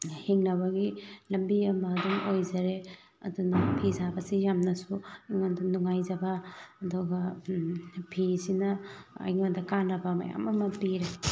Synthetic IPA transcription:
hiŋnɐβɐɡilɐmbiɐmɐːduŋojzɐɾe | ɐ̰dunɐpʰizabɐsijamnɐsuiŋondɐnuŋajzɐbɐɐduɡɐ | pʰisinɐɐ̰jŋondɐkanɐbɐmɐ̰ja̰mɐmɐpiɾe

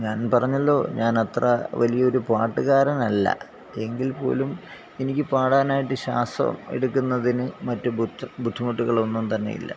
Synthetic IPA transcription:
ɲaːnpɐrɐɲːɐlːo̞̰ːɲaːnɐt̪rɐ̰ʋɐlijɐo̞ɾupaːʈːɨɣaːɾɐnɐlːɐ̰ | e̞ŋɡilpo̞̰ːlum | enikʲːɨpaːɽaːnaːjiʈːɨɕa̰ːst̪rɐ̰mḛɽukːunːɐðinɨmɐtːububʱud̪ʱːumɐʈːuɣɐɭo̞nːumt̪ɐnːe̞̰jḭlːɐ̰

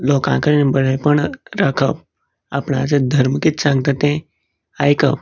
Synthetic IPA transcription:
lokã̰kəɾinbəɽəpəɳɾakʰəp | a̰pɳad͡zəd̪ʱəɾmkit̪sãŋɡt̪at̪ẽ | ajkəp

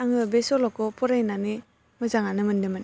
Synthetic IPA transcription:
aŋɯbesɔlɔkɔpʰɔɾajnani | mɯzaŋanɯmɯndɯmɯn

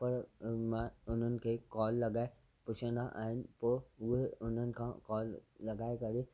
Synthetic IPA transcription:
pɐɾmãʊn̤ənɪ̆kʰeːkɔːlːɐɡaːe | pʊt͡ʃʰə̃nd̪aʔa̰ːɦɪnɪ̆poːʊɦeʊn̤ənɪ̆kʰãkɔːlːɐɡaːekɐɾe

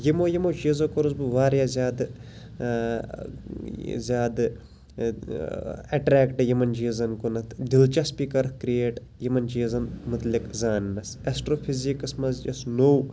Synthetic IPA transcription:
jimojimod͡ʒizokoɾusbɨʋaːɾjazʲjaːd̪ | zʲjaːd̪ | ɐʈɾɛːkʈjɐmɐnd͡ʒiːzɐnkonɐt̪ʰd̪ilt͡ʃɐspiːkɐɾkɾijeːʈ | jɐmɐnd͡ʒiːzɐnmʊt̪likzaːnːɐsɐsʈɾoːpʰizikɐsmɐzd͡ʒɐsnow

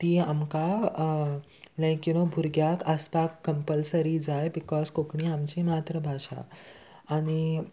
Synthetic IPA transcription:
t̪iamka | lə̃kinobʱuɾɡjakaspakːəmpəlsəɾid͡zajbikɔzkokɳiamt͡ɕimat̪ɾəbʱaɕa̰ː | ñi

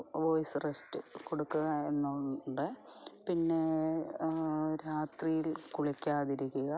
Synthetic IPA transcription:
ʋojsɨrestɨkoɽukːuɣɐe̞nːuɖɨpinːe̞ | ɾaːt̪rijilkuɭɐkʲːaːðiɾikʲːuɣɐ

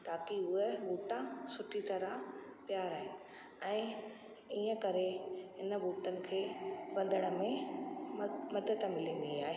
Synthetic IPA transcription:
t̪aːkiʊɦeɓuːʈãsʊʈʰit̪ɐɾapjaːɾaːɦɪnɪ̆ | ɛ̃ː | iːə̃kɐɾeɦɪnəbuːʈənɪ̆kʰeːbɐ̃nd̪ʱəɽ̃ə̆mẽ | mɐd̪ət̪mɪlĩnd̪iaːɦeː

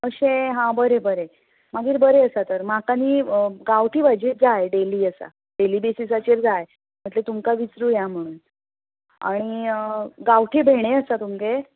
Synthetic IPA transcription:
əɕẽɦãbəɾebəɾe | maɡiːɾbəɾeəsat̪əɾm̤akaniːɡawʈʰiːbʱad͡ʑeʈ̚d͡zaeɖeliːəsa̰ | ɖeliːbesisat͡ɕeɾd͡zaj | m̤əʈlet̪umkaʋit͡sɾuːjam̤əɽ̃uːn | a̰ɽ̃i | ɡawʈʰebʱeɽ̃eəsat̪umke

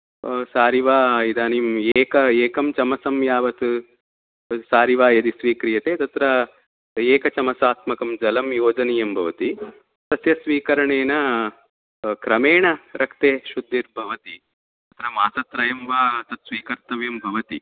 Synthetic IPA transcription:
saːɾiʋaːid̪aːnimeːkɐeːkɐmt͡ʃɐmɐsɐmjaːʋɐt̪u | saːɾiʋaːjɐd̪isʋiːkɾijɐt̪eːt̪ɐt̪ɾɐ | eːkɐt͡ʃɐmɐsaːt̪mɐkɐmd͡ʒɐlɐmjoːd͡ʒɐnijɐmbʱɐʋɐt̪i | t̪ɐsjɐsʋiːkɐɾɐɳeːnɐ | kɾɐmeːɳɐɾʔɐkt̪eːʃud̪ʱːiɾbʱɐʋɐt̪i | t̪ɐt̪ɾɐmaːsɐt̪ɾɐjɐmʋaːt̪ɐt̪sʋiːkɐɾt̪ɐʋjɐmbʱɐʋɐt̪i

